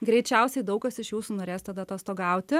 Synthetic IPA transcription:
ɡɾʲɛɪt͡ʃʲɛʊsʲɛɪd̪ɒʊkɐsɪʃjuːsuːnoːɾʲeːst̪ɐd̪ɐt̪oːst̪oːɡɐˑʊt̪ʲɪ

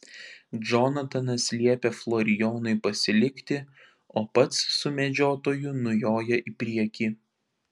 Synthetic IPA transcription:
d͡ʒɔnɐt̪ɐnɐsʲlʲiɛpʲeflˠɔɾʲɪjoːnʊɪpɐsʲɪlʲɪkt̪ʲɪ | oːpɐt̪sːʊmʲɛd͡ʒʲoːt̪oːjʊnʊjoːjɛʔipʲɾʲiɛkʲiː

